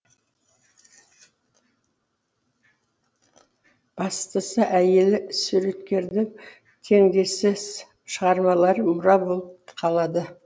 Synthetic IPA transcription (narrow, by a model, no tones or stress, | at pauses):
b̥ɑst̪əsəʔæje̞lɪsuɾe̞t̪kʲe̞ɾd̪ɪŋ | t̪ʰe̞ŋd̪e̞sɪz̥ | ʃəʁɑɾmɑlˠɑɾəmʊɾɑbo̞lˠəp̚qʰɑlˠɑd̪ə